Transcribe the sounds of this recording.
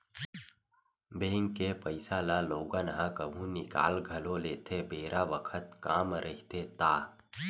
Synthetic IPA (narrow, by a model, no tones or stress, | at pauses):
bẽːŋkːepəɪsaːlaloːɡanɦãkəbʱũnɪka̰ːlɡʱɐloleːt̪ʰebeːɾʔaʋəkʰət̪kaːmɾʔɐɦit̪et̪aː